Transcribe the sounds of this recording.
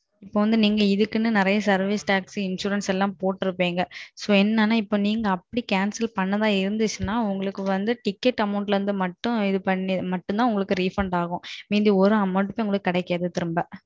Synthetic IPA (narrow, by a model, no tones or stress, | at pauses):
ɪpːoːʋɐnd̪ɯniːŋɡɐɪðɯkːɯnːɯnɪɾɐjɐsɐɾʋiːsʈaːksiɪnʂuːɾɐnsɛlːãːpoːʈːɪɾɯpːeːŋɡɐsoːɛnːaːnːaːɪpːoːniːŋɡɐːpːɐɽikaːnsɐlpɐnːɐðãːɪɾɯnd̪ɯt͡ʃːɯnːaːʊŋɡɐɭɯkːɯʋɐnd̪ɯʈɪkːɛʈːɐmɐʊɳʈlɐɾɯnd̪ɯmɐʈːʊ̃ɪðɯpɐɳːimɐʈːʊ̃nt̪aːʊŋɡɐɭɯkːɯɾiːfɐɳɖaːɣʊ̃miːd̪iɔɾɯɐmɐɳʈɯpɐːʊŋɡɐɭɯkːɯːkɐɽɛɪkːɪjaːðɯt̪ɪɾɯmbɐ